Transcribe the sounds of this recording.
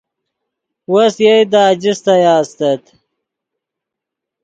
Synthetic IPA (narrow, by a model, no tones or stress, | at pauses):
wosjejd̪ad͡ʑist̪ajaːst̪ɐt̪